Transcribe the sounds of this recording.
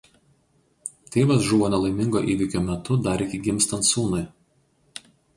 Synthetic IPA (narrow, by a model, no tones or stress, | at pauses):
t̪ʲeːʋɐs̬ʒuʋoːnʲɛlˠɐɪmʲɪŋɡoːʔiːʋʲɪkʲoːmʲɛt̪ʊd̪ɐɾʲɪkʲɪɡʲɪmʲst̪ɐnt̪suːnʊɪ